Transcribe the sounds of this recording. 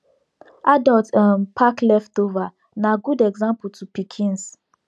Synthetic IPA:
ʔadɔltãnpʰaklɛftova | naɡudɛɡzãmpl̩tupikʰĩns

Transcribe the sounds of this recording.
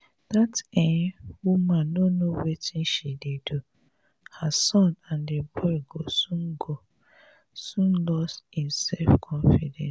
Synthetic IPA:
d̥atewumanonowetin̩ʃidedo | hasɔ̃nandebɔɡosuŋ̩ɡo | sũn̩lɔstin̩sɛfkʰɔ̃nfidɛ̰̃ns

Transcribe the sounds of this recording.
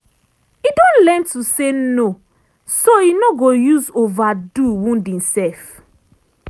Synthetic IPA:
idɔ̃nlɛ̃ntuseno | soinoɡojuzovaduwũndĩnsɛf

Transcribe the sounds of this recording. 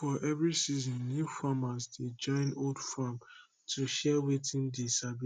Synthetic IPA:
fɔʔɛvɹisizɔ̃nːjufamasdid͡ʒɔ̃ɪ̃noldfam | tʰuʃɛwetʰĩndisabi

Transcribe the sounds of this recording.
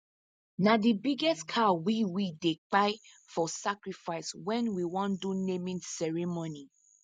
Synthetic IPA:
nadibiɡɛstkʰawiwidek͡paɪ | fɔsakɹifaɪswɛ̃nwiwɔ̃ndunemĩnsɛɹimoni

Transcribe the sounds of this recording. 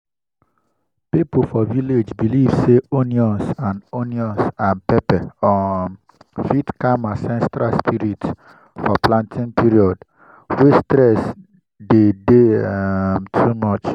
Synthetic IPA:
pipofɔviled͡ʒbilivseoniɔ̃nsãnoniɔ̃nsãnpɛpɛɔ | fitkãmasɛ̃nstɹaspʰiɾit | fɔplãntʰĩŋpiɾiɔd | westɾɛs | dede | mtʰumɔt͡ʃ

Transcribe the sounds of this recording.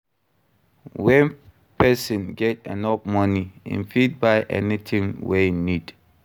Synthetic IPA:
wɛ̃n | pʰɛsə̃nɡɛtɛ̰̃nɔpmɔniḭ̃nfid̚baɪʔɛ̰nitʰĩŋwɛnid̥

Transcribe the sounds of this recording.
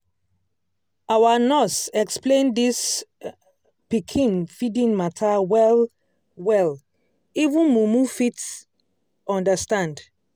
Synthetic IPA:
awanɔsɛksplẽndis | pikʰĩnfidĩnmatʰawɛl | wɛl | ivũnmumufit | ɔ̃ndastãnd

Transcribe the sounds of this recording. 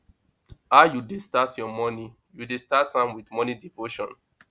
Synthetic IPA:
ajudestatʰjɔmɔni | judestatãmwiθmɔnidivoʃɔ̰̃n

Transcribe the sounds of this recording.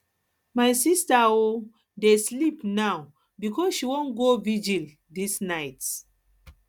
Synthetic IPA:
majsistao | deslipnaw | bikɔsʃiwõnɡovid͡ʒil | disnajt

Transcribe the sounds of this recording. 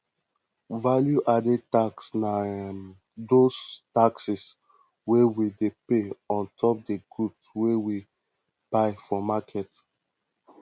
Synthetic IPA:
valjuʔadetaksna | dostaksis | wewidepeɔ̃ntʰɔp̚deɡudswewi | b̥aɪfɔmakʰɛt

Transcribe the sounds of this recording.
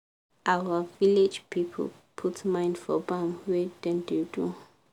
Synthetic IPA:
ʔawəviled͡ʒpʰipʰə̰l | pʰutmãɪ̃ndfɔbãmwedɛ̃ndedu

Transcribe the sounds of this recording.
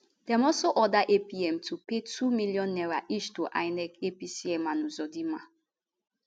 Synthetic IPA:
dɛmɔsoʔɔdaʔepiɛmtʰupetʰumiljɔ̃nːɛɾaʔiʃtoʔa̰jnɛkepisiɛmanuzɔdima

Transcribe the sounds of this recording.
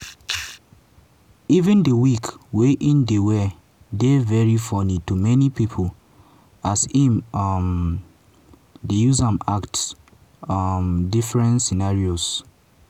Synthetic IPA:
ivĩndəwikweʔĩndewɛ | devɛɹifɔnitumɛnipipʰol | asĩmm | dejuzãmakt | mdifɹɛ̃ntsinaɹios

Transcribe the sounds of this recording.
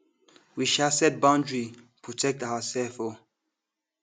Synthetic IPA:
wiʃasɛt̚bãʊ̃ndɹi | pʰɹɔtʰɛk̚tawəsɛlfɔ

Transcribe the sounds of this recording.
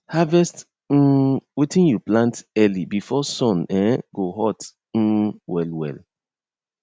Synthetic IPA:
havɛst | n̩witĩnjuplãntɛlibifɔsɔ̃nɛ̃ɡoɦɔt | n̩wɛlwɛ̰l

